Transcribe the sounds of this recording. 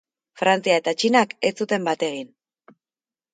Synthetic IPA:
fɾant͡siae̞t̪at͡ʃinake̞t͡sut̪e̞mbat̪e̞ɣin

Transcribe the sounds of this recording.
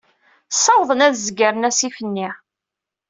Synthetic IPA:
sːɑwðˤənæðzɡəɾənæsifənːi

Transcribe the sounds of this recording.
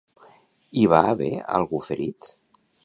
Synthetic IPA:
iβaβɛa̰lˠɣufeɾit̪

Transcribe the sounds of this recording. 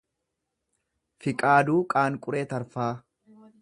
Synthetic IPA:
fɪkʼaːd̪uːkʼaːŋkʼʊɾeːt̪ɐɾfaː

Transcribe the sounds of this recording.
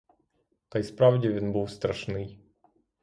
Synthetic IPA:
t̪ajspɾavdʲɪvʲinbɨwst̪ɾaʂnɨj

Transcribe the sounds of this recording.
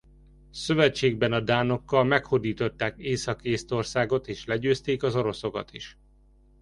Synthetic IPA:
sø̞vɛt͡ʃːeːɡbɛnɒd̪aːno̞kːɒlmɛkhod̪iːt̪o̞t̪ːaːkeːsɒkeːst̪o̞rsaːɡo̞t̪eːʃlɛɟøːst̪eːkɒzo̞ɾo̞so̞kɒ̰t̪ḭʃ

